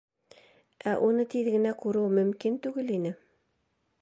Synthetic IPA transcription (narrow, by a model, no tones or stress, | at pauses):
ʔæʔunɤt̪iðɡɘ̆nækuɾɤwmɵ̆mkint̪ʉɡɘlinɘ